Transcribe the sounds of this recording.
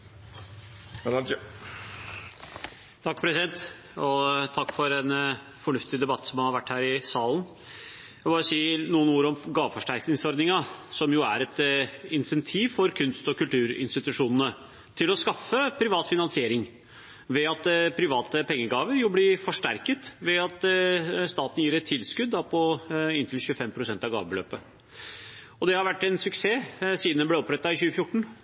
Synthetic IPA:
t̪ʰɑkːpʰɾɛsɪd̪ɛnt̪ | ɔt̪ʰɑkːfɔɾɛn | fɔɳʉft̪ɪd̪ɛbɑt̪ːsɔmɑhɑɾʋæʈːhæːɾɪsɑːln | jæbɑːɾəsiːənuːənuːəɾɔmɡɑːʋfɔʂʈæɾknɪŋsɔɾd̪nɪŋɑsɔmjʊæɾɛt̪ɪnsɛnt̪ʰiːʋfɔɾkʰʉnst̪ɔkʉlt̪ʰʉːɾɪ̰nst̪ɪt̪ʉʂuːnənə | t̪ʰɪlɔskɑfːəpʰɾɪʋɑːt̪fɪnɑnsɪeːɾɪŋ | ʋɛɑt̪pʰɾɪʋɑːt̪əpʰɛŋːəɡɑːʋəɾjʊblɪfɔʂʈæ̰ɾkət̪ʋɛɑt̪st̪ɑːt̪n̩jiːɾɛt̪ʰːɪlskʉd̪ːɑpʰɔɪnt̪ʰɪlçʉːəfɛmpʰɾʊsɛnt̪ɑʋɡɑ̰ːʋəbəlø̰ːpə | ɔd̪ɛhɑɾʋæʈːɛnsʉkseːsiːd̪nəblɛɔpɾɛt̪ːɑɪçʉːəfjʊʈːɳ̩

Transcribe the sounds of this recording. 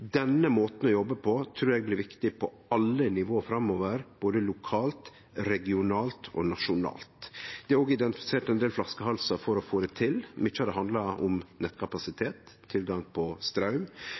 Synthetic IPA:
d̪ɛnːəmoːt̪n̩ɔjɔbːəpʰɔt̪ʰɾuːɾɛɡ̚blɪɾʋɪkt̪ɪpʰɔ | ɑlːənɪʋoːfɾɑmːoːʋəɾb̥oːd̪əlʊkʰɑːlt̪ | ɾɛɡɪʊnɑːlt̪ʰɔ̰nɑʂʊnɑ̰ːlt̪d̪ɛæɾoːɡɪd̪ɛnt̪ɪfɪ̥seːʈɛnd̪eːlflɑskəɦɑlsɑfɔɾɔfoːɾɛt̪ʰɪlmɪt͡ʃːɑd̪ɛɦɑnd̪lɑʊ̰mnɛt̪kʰɑpɑsɪt̪ʰeːt̪ʰːɪlɡɑŋpʰɔst̪ɾɑʉm

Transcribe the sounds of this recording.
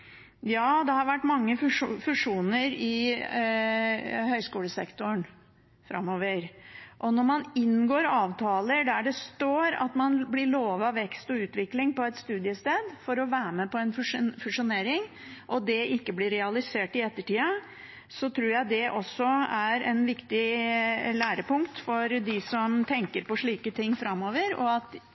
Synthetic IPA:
jɑːd̪ɛhɑɾʋæʈːmɑŋːəffʉʂuːnəɾɪ | hœʏskuːləsɛkt̪ʊn | fɾɑ̰mːoːʋəɾʔɔnɔɾmɑnɪnːɡoːɾɑːʋt̪ʰɑːləɖæɖɛst̪oːɾɑ̰t̪mɑnblɪɭoːʋɑʋːɛkst̪ɔʉːt̪ʋɪklɪŋpɔɛt̪st̪ʉːd̪ɪəst̪eːd̪fɔɾɔʋæːɾmɛpɔɛnfʉʂfʉʂʊneːɾɪŋ | ʔɔd̪ɛɪkːəblɪɾɛɑlɪseːʈɪɛt̪ːəʈiːɑ | sɔt̪ʰɾuːɾjæɪd̪ɛʔɔsːɔæɾɛ̰nʋɪkt̪ɪ | læːɾəpʊŋkt̪fɔɾd̪ɪsɔmt̪ʰɛŋkəɾpɔʂɭiːkət̪ʰɪŋːfɾɑmːoːʋəɾɔ̰ɑt̪

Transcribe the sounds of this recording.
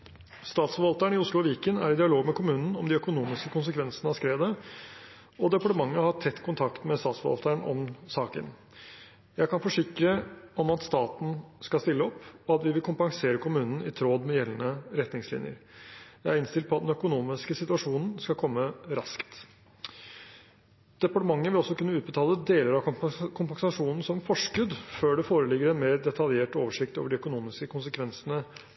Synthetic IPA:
st̪ɑːt̪sfɔʋɑlt̪əɳɪʊslʊʋɪːkənæ̰ɾɪd̪ɪɑloːɡmɛkʊmʉːnn̩ɔmd̪ɪœkʊnuːmɪskəkʰʊns̬əkʰʋɛnsənəɑskɾeːd̪ə | ɔd̪ɛpɑʈəmɑŋːəhɑʈʰɛt̪ːkʰʊnt̪ʰɑkt̪mɛst̪ɑːt̪sfɔʋɑ̰lt̪əɳɔ̰msɑːkə̰n | jæɪkɑnfɔʂɪkɾəɔmɑt̪st̪ɑːt̪n̩skɑst̪ɪlːəɔpːɔɑt̪ʋɪʋɪlkʰʊmpɑŋseːɾəkʰʊmʉːnn̩ɪt̪ʰɾoːd̪mɛjɛlənəɾɛt̪nɪŋslɪ̰njə̰ɾjæɪæɾɪnst̪ɪlt̪̚pʰɔɑt̪d̪ɛnœkʊnuːmɪskəsɪt̪ʉɑʂuːnn̩skɑkʰɔmːəɾɑ̰skt̪ | d̪̥ɛpɑʈəmɑŋːəʋɪlɔsːɔkʰʉnːəʉːt̪̚bət̪ʰɑːləd̪eːləɾɑkʰʊmpɑŋsɑʂuːnn̩sɔmfɔʂkʉd̪føːɖɛfoːɾəlɪɡːəɾɛnmeːɾd̪ɛt̪ʰɑljeːʈoːʋəʂɪkt̪o̰ːʋəɖɪœkʊnuːmɪskəkʰʊnsəkʰʋɛnsənə

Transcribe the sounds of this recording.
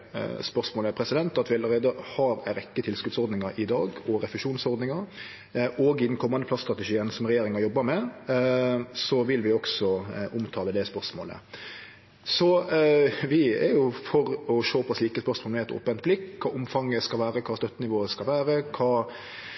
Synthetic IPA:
spœɾʂmoːləpʰɾɛsɪd̪ɛnt̪ɑt̪ʋɪɑləɾeːd̪əhɑɾæɪɾɛkːət̪ʰɪlskʉt̪sɔɾd̪nɪŋɑʔɪd̪ɑ̰ːɡɔɾɛfɪʂuːnsɔɾd̪nɪŋɑɾ | oːɡɪd̪n̩kʰɔmːɑnd̪əpʰlɑst̪ɾɑt̪əʃiːənsɔmɾɛjeːɾɪŋɑɾjɔbːəɾmɛ | sɔʋɪlʋɪɔksɔʔʊmt̪ʰɑːləd̪ɛspœɾʂmo̰ːlə̰ | sɔ | ʋɪɛ̰ɾjʊfɔɾɔʃoːpʰɔsliːkəspœɾsmoːlmɛɛt̪o̰ːpənt̪̚blɪkːkʰːɑːʔʊmfɑŋːəskɑlʋæːɾəkʰɑːst̪œt̪ːənɪʋoːəskɑlʋæːɾəkʰɑː

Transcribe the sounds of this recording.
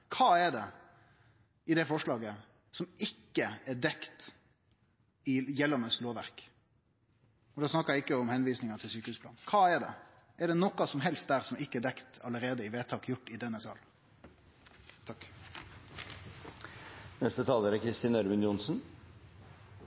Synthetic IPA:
kʰɑːɛɖɛ | ɪd̪ɛfɔʂɭɑːɡə | sɔmɪkːəɛɖ̪ɛkt̪ | ɪjɛlːɑnəsloːʋæɾk | ɔd̪ɑːsnɑkːəɾɪɪkːəɔmhɛnʋiːsnɪŋɑt̪ʰɪlsyːkəʉːspʰlɑ̰ːnkʰɑːɛɖ̪ɛ̰ | ɛɖɛnɔkɑsɔmɦɛlst̪̚d̪æɾsɔmɪkːəɛd̪ɛkt̪ʰɑləɾeːd̪əɪʋeːt̪ʰɑːkjʊʈːɪd̪ɛnːəskɑ̰l | t̪ʰɑkː | nɛst̪ət̪ʰɑːləɾəkʰɾɪst̪ɪːnœɾmʉnjʊnsn̩

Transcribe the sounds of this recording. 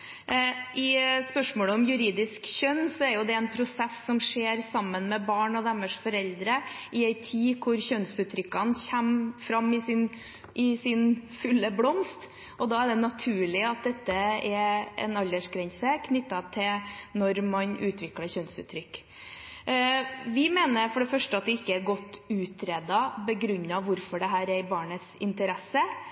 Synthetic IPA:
ʔɪspœʂmoːləɔmjʉɾiːd̪ɪskɕœnsɔæɾjʊd̪ɛɛnpʰɾʊsɛsːɔmʂeːɾsɑmːənmɛbɑːɳɔd̪æmːəʂfɔɾɛld̪ɾəʔɪæɪt̪ʰiːkʰʊɾçœnsʉːt̪ʰːɾʏkːɑnçæmfɾɑmːɪsɪn | ʔɪsɪnfʉlːəblɔmst̪ | ʔɔd̪ɑːæɖ̪ɛnɑt̪ʰʉːɭɪɑt̪̚d̪ɛt̪ːəɛɾɛ̰nɑlːəʂkɾɛɲsəkʰnʏt̪ːɑt̪ʰɪlnɔɾmɑnʔʉːt̪ʰʋɪkləɾçœnsʉ̰ːt̪ʰːɾʏkː | ʋɪmeːnəɾfɔɖɛfœʂʈəɑt̪̚d̪ɛɪkːəæɾɡɔt̪ːʉːt̪ʰɾeːd̪ɑbəɡɾʉnːɑʋʋʊɾfɔɖɛɦæːɾɛɾbɑːɳət̪sɪnt̪əɾɛsːə

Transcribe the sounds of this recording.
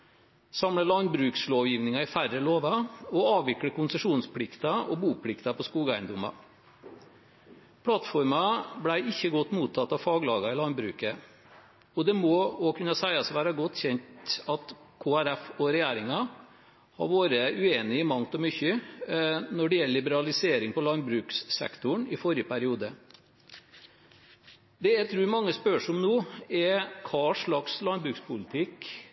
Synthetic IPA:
sɑmɽəlɑnbɾʉːksloːʋjiːʋnɪŋɑɪfæɾəloːʋɑɔɑːʋʋɪkɽəkʊnsəʂuːnspʰlɪkt̪ɑɔ̰buːpʰlɪkt̪ɑpʰɔskuːɡæɪnd̪ʊmɑ̰ | pʰɽɑt̪fɔɾmɑblæɪʔɪçːəɡɔt̪ːmuːt̪ʰːɑt̪ːɑʋfɑːɡlɑːɡɑɪlɑnbɾʉ̰ːkə | ɔd̪ɛmɔɔkʰʉnːɑsæɪɑsʋæːɾɑɡɔt̪ːçɛnt̪ɑt̪kʰoːæɾæfɔɾɛjeːɾɪŋɑ | hɑ̰ɾʋoːɾəʉeːnɪmɑŋt̪ɔmʏçə | nɔɖɛjɛlːəlɪbəɾɑlɪseːɾɪŋpɔlɑnbɾʉːkssɛ̰kt̪ʊɳɪfɔɾɪəpæɾɪuːd̪ə | d̪ɛæt̪ʰɾʉːmɑŋːəspœʂɔmnuːɛkʰɑːʂɭɑkslɑnbɾʉːkspʰʊlɪt̪ʰɪk

